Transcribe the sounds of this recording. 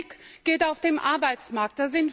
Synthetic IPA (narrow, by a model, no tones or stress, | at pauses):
kɡ̥eːtaʊfd̥eːmʔaɐbaɪt͡smaɐk̚t̚d̥ɛɐzɪn